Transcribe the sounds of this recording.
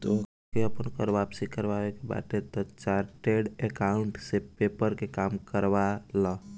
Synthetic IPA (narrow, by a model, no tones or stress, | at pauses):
t̪o | keəpənkɔɾʋapsikəɾbaʋekeba̰t̪et̪ɔt͡ʃaɾʈeɖekauɳʈsepepəɾkekamkəɾʋalɔ